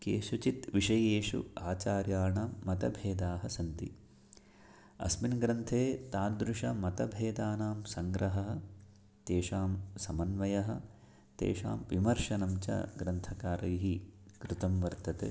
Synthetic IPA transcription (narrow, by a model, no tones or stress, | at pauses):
keːʃut͡ʃit̪ʋiʂɐjeːʂṵaːt͡ʃaːɾjaːɳaːɐt̪ɐbʱeːd̪aːɦɐsɐnt̪i | ɐ̰sminɡɾɐnt̪ʰeːt̪aːnd̪ɾuʂɐmɐt̪ɐbʱeːd̪aːnaːmsɐŋɡɾɐɦɐɦɐ̆ | t̪eːʃaːmsɐmɐnʋɐjɐɦɐ̆ | t̪ḛːʂa̰ːmʋimɐɾʂɐnɐmt͡ʃɐ̰ɡɾɐnt̪ʰɐkaːɾɐjɦikɾut̪ɐmʋɐɾt̪ɐt̪ḛ